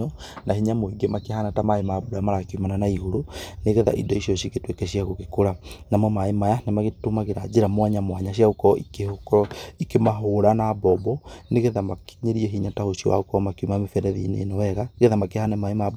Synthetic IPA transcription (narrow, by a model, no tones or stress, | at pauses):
ɔ | nʔahiɲamoiɡemakehanatamaemaːbuɾamaɾakumananaihoɾuneɣeða̰ʔḭdɔiʃiɔʃiketwekɛɕiaɣoɣekoɾanamwɔmaemajanemaɣetomaɣeɾad͡ʒeɾamwaɲamwaɲaɕiaukɔikeoikemaɦoɾanabɔbɔneɣeðamaki̥ɲeɾiɛɦiɲatahoʃiɔ̰wa̰okɔmakiumamefɛnɛðḭnḛːnɔwɛɣaɣeðamakehanɛmaemab